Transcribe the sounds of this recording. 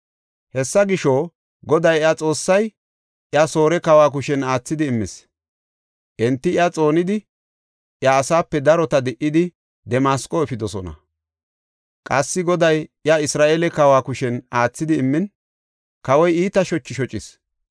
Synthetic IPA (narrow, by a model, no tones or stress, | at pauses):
hɛsːɐɡɪʃoː | ɡɔd̪ɐjjat͡sʼo̞ːsːɐj | ʔɪɐso̞ːɾɛkɐwaːk̬ʊʃɛnaːt͡sːɪd̪ɪːmːɪs | ʔɛnt̪ːɪɪjat͡sʼo̞ːnɪd̪ɪ | ʔjaːsaːpːɛd̪ɐɾɔt̪ɐd̪ɛʔɪd̪ɪ | d̪ɛmaːskʼɔɛfɪd̪ɔsɔnɐ̰ | kʼɐsːɪɡɔd̪ɐjɪjaɪsɾaːʔeːlɛkɐwaːkʊʃɛnaːt͡sːɪd̪ɪːmːɪn | kɐwɔjiːt̪ɐʃɔt͡ʃːɪʃɔt͡ʃʼːɪs